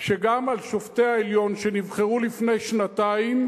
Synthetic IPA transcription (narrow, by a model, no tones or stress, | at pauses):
ʃe̞ɡamalʃofteaeljo̞nʃe̞nivχeʁulifne̞jʃnataim